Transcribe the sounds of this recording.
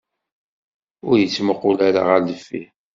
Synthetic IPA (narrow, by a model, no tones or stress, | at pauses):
ʊɾjət͡sːməqːʊlæɾa̰ʁaɾləfːḭ